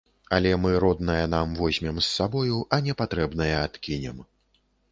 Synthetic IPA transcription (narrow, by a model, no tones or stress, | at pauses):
alʲɛmɨɾɔd̪nɐjɐnamvɔzʲmʲɛmsːabɔjuʔɐnʲɛpat̪ɾɛbnɐjɐat̪kʲinʲɛm